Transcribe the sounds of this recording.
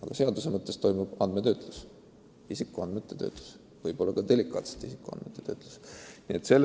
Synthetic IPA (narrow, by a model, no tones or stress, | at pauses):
ɑɡ̥ɑse̞ɑd̪usemɤt̪ːˑest̪o̞jmub̥ɑnd̪̥met̪ø̞ːt̪ˑlu̥s | isikːˑuɑnd̪met̪ːˑe̞t̪ø̞̰ːt̪ˑlu̥s | vɤjb̥o̞lːɑɡ̥ɑd̪e̞likːˑɑ̰ːt̪se̥t̪isikuɑ̰nd̪met̪ːˑe̞t̪øːt̪ˑlu̥sniet̪se̞lː